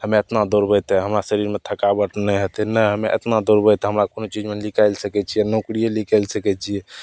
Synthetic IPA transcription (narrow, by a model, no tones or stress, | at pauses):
həmeet̪nad̪oɾbəjt̪ɛɦəmɾasəɾiɾmet̪ʰəkabəʈʰnɛɦet̪ɛnəɦəmeʔḛt̪nad̪oɾbəjt̪ɦəmɾakonot͡ʃid͡ʒmelikajlsəkɛt͡ʃʰijɛnõkɾijelikalsəkɛt͡ʃʰijɛ